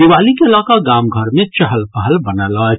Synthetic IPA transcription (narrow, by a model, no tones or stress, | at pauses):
ɪʋaːlikeɐlaːkaɡaːmɡʱəɾmẽt͡ʃɐɦəlpəɦəlbɐnəlaː